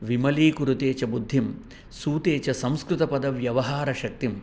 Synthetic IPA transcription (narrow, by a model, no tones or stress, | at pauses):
ʋimɐliːkuɾut̪eːt͡ʃɐbud̪ʱːim | suːt̪eːt͡ʃɐsɐ̃mskɾɪt̪ɐpɐd̪ɐʋjɐʋɐɦaːɾɐʃɐk̚t̪im